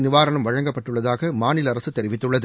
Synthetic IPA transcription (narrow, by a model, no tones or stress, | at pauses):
nɪʋaːɾɐɳɐmʋɐɻɐŋɡɐpːɐʈːɯɭːɐðaːɣɐmaːnɪlɐɾɐsɯt̪ːɛɾɪʋɪt̪ːɯɭːɐðɯ